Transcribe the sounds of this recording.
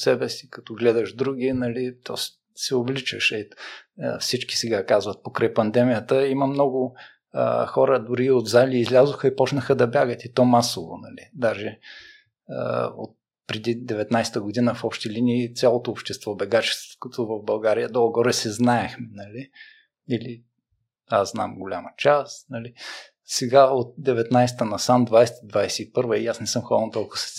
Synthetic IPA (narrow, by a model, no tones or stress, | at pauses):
sɛbɛsi̥kɐt̪ɔɡlɛd̪əʃd̪ɾuɡʲinɐlit̪ɔs | sɛovlit͡ʃəʃɛ̰ | fsit͡ʃki̥sɛɡakazvət̪̚pokɾajpɐnd̪ɛmijət̪əiməmnɔɡʊ | ə̰xɔɾəd̪ʊɾiod̪zaliːzlʲazoxəipɔt͡ʃnəxəd̪ɐbʲjaɡət̪it̪ɔmasovo̰nɐlid̪aʒɛ | ə̰o̰t̪̚ | pɾɛd̪id̪ɛvɛt̪najst̪əɡod̪inəfɔpʃt̪ilʲiniːt̪sʲjalˠot̪oːpʃt̪ɛst̪vɔbɛɡat͡ʃɛ̥st̪vo̥ot̪ovɐvbɐlˠɡaɾijəd̪ɔlˠɡɔɾɛsɛznaɛxmɛnɐli | ili | aszna̰mɡolʲamət͡ʃasnɐli | sɛɡaot̪̚d̪ɛvɛt̪najst̪ənɐsamd̪vajsɛt̪d̪vajsɛipɤɾvəijasnɛsɤmxɔvənt̪ɔlˠkʊ̥sɛ̥